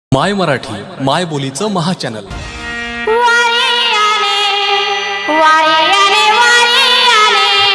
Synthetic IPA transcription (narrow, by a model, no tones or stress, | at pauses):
majməɾaʈʰiː | majbolit͡səməɦat͡ɕænəl | ʋaɾiɡane | ʋajjaneʋaɾid͡ʒane